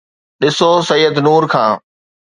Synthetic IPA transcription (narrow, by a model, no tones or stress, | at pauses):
ɗɪsosɐjːəd̪nuːɾkʰãː